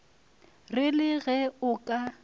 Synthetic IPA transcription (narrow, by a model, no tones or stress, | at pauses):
rɪlɪɣɛʊkʼa